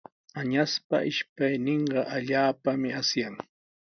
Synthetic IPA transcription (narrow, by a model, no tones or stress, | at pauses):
aɲaspa̰ʔɪʃpajnɪɴɢɑʔaʎaːpamɪasjaŋ